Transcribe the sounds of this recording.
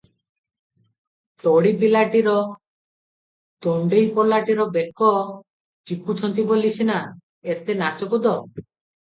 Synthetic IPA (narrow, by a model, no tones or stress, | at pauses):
t̪oɽipilaʈiɾɔ | t̪oɳɖejpɔlaʈiɾɔbekʰːɔ | t͡ʃikʰut͡ʃʰɔnt̪ibolit͡ʃʰina | et̪enat͡ʃɔkud̪ɔ